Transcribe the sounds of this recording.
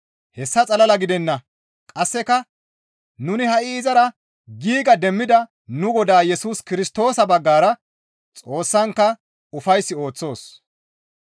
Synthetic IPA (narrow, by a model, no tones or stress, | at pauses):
hɛsːɐt͡sʼɐlɐlɐɡɪd̪ɛnːɐ | kʼɐsːɛkɐ | nʊnɪhɐʔɪːzɐɾɐ | ɡiːɡɐd̪ɛmːɪd̪ɐ | nʊɡɔd̪aːjɛsuːskɪɾɪst̪o̞ːsɐbɐɡːaːɾɐ | t͡sʼo̞ːsːɐŋkːɐ | ʊfɐjsːɪo̞ːt͡sːo̞ːs